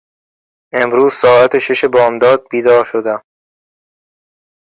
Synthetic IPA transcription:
ʔe̞mɾuːz̥sɒːæt̪ʰeʃeʃe̞bɒːmd̪ɒːd̪̚biːd̪ɒːɾʃod̪æm

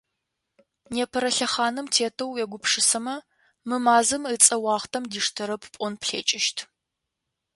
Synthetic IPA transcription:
neːpʰɐɾɐɬɐχaːnɨmtʰeːtʰɐwɛɡʷʊpʂɨsɐmɐ | mɨmaːzɨmɨt͡sʼɐwɑːχtʰɐmdiːʂtʰɨɾɐpʰpʷʼʊnpɬḛːt͡ʃʼɪʃtʰ

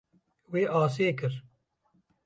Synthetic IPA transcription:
weːʔaːs̬eːkəɾ

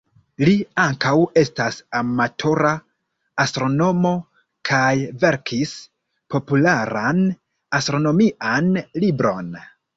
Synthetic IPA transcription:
liaŋkawe̞stasamatʰo̞ɾaː | stɾo̞no̞mo̞ | kʰajve̞ɾkʰis | po̞pulaɾan | astɾo̞no̞miʔanlibɾo̞n

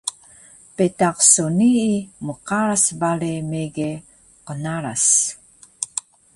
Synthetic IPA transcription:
petaqsuniːmuqaɾasbaɾemeɡe | qənaɾas

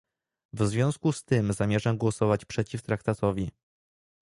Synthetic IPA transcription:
vzvʲjɔ̃w̃skust̪ɘmzamʲjɛʐamɡwɔsɔvat͡ɕpʂɛt͡ɕift̪ɾakt̪at̪ɔvʲi

